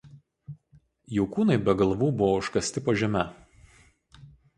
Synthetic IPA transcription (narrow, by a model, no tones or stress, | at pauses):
jɛʊkuːnɐɪbʲɛɡɐlˠʋuːbʊʋoʊʃkɐsʲt̪ʲɪpoʒʲɛmʲɛ